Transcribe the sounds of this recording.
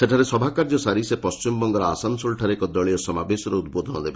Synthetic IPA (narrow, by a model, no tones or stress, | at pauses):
seʈʰaɾesɔbʱakaɾd͡ʒɔsaɾisepɔst͡ʃimɔbɔŋɡɔɾɔasansolʈʰaɾekɔd̪ɔɭiɔsɔmabesɔɾɔud̪̚bod̪ʱɔnɔd̪ebe